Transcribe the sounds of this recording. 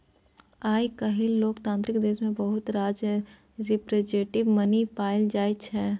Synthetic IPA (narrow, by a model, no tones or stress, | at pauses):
aːikɐɦɪlloːkt̪ãːnt̪ɾɪkd̪eːʃmẽbɐɦʊt̪ɾaːd͡ʒ | ɾɪpɾed͡ʒeːʈɪʋmɐnipaːɪld͡ʒaːit͡ʃʰɛː